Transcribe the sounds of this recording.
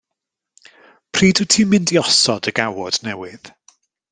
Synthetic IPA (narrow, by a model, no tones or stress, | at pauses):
pʰr̥iːdɨtʰiːmɪndiɔsɔdəɡawɔd̥nɛwɪð